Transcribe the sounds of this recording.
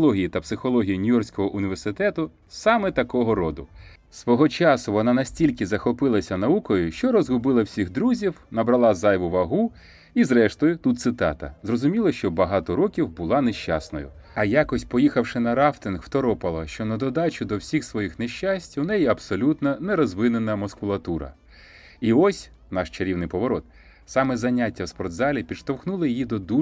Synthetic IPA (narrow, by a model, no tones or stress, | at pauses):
lˠɔɦʲijit̪ɐpsɪxɔlˠɔɦʲijinʲijɔrsʲkɔɦɔʔʊnʲiʋersɪt̪ɛt̪ʊ | sɑmɛt̪ɐkɔɦɔɾɔd̪ʊ | sʋɔɦɔt͡ʃɑsʊʋɔnɑnɐsʲtʲilʲkɪzɐxɔpɪlˠɐsʲɐnɐukɔjʊʃt͡ʃɔɾɔzɦʊbɪlˠɐwsʲiɣd̪ɾuzʲiwnɐbɾɐlˠɑzɑjʋʊʋɐɦu | izɾɛʃt̪ɔjʊt̪ut̪̚sɪt̪ɑ̰t̪ɐ̰zrɔzʊmʲilˠɐʃt͡ʃɔbɐɦɑt̪ɔɾɔkʲiwbʊlˠɑneʃt͡ʃɑ̰snɔ̰jʊ̰ | ɐjɑkɔsʲpɔjixɐwʃɪnɐɾɑft̪ɪnɦwt̪ɔɾɔpɐlˠɐʃt͡ʃɔnɐd̪ɔd̪ɑt͡ʃʊd̪ɔwsʲixsʋɔjixneʃʲt͡ʃasʲtʲunɛjiɐbsɔlʲut̪nɐnɛɾɔzʋɪnenɐmɔskʊlˠɐt̪uɾɐ̰ | iɔsʲ | nɑʃt͡ʃɐɾʲiwnɪjpɔʋɔɾɔt̪ | sɑmɛzɐnʲatʲːɐwspɔrd̪zɑlʲipʲiʃt̪ɔwxnulˠɪjijid̪ɔd̪u